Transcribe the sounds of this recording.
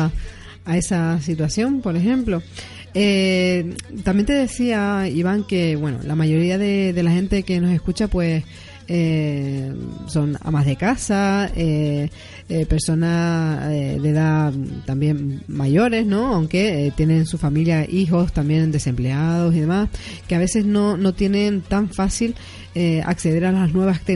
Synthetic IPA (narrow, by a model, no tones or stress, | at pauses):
ae̞sasit̪̬wasjõ̞mpo̞ɾe̞xẽ̞mplo̞ | e | t̪ambje̞nt̪e̞ðe̞siaiβaŋke̞βwe̞no̰lamaʝo̞ɾiaðe̞ðe̞laxe̞nt̪e̞ke̞no̞se̞skut͡ʃapwe̞s | e | so̞na̰mazðe̞kasae | pe̞ɾso̞naseðeðat̪ambje̞nːaʝo̞ɾe̞zno̞awŋke̞t̪jene̞nsufamiljaʔixo̞st̪ambje̞nd̪e̞se̞mple̞að̞o̞s̬iðe̞mas | keaβ̞e̞se̞zno̞no̞t̪je̞nẽ̞nt̪aɱfasil | ea̰kse̞ðe̞ɾalaznwe̞βast̪e